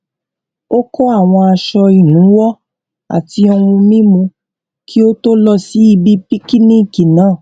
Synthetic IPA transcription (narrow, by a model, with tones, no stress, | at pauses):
o˦kɔ˦a˦˨w̃ɔ̃˧a˧ʃɔ˧i˨nũ˨˦wɔ˦ | a̰˦˨ti˧ɔ˧wũ˧mĩ˦mũ˧ | kʰi˦o˦to˦lɔ˦si˨˦i˧bi˦pi˦ki˦nĩ˦˨ki˨nãː˦˨